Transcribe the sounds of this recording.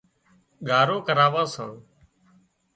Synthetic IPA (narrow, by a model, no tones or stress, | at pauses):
ɠʱaːɾoːkəɾaːʋãːsã̰ː